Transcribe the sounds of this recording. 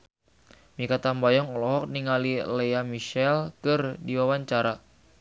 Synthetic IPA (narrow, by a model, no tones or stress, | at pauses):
mikat̪ambajɔŋɔlɔɦɔk̚niŋalilejamiʃɛlkɨrdiwawaɲt͡ʃaɾa